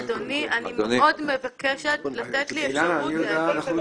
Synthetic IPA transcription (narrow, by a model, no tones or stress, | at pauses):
d̪oniʔanimenod̪mevakeʃet̪lat̪et̪lilamanijodaanaχnu